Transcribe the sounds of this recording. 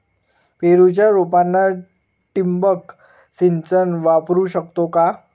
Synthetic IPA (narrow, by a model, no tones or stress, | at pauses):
peɾut͡ɕjaɾopanːa | ʈimbək | sint͡sənʋapɾuɕəkt̪oka